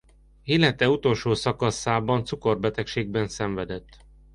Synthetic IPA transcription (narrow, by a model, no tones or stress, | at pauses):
ilɛt̪ɛut̪o̞lʃoːsɒkɒsaːbɒnt̪suko̞rbɛt̪ɛkʃeːɡ̚bɛnsɛɱvɛd̪ɛt̪ː